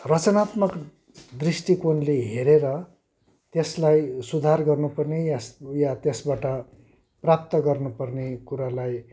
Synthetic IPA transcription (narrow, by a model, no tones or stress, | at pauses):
rʌt͡sʌnat̪mʌk | d̪risʈikonleɦeɾeɾʌ | t̪eslajsud̪ʱarɡʌrnupʌrnejasjat̪esbaʈʌ | prap̚t̪ʌɡʌrnupʌrnekuɾalaj